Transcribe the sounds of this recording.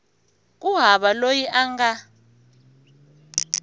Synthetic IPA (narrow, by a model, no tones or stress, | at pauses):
kʼuɦaɓalojiʔaŋɡa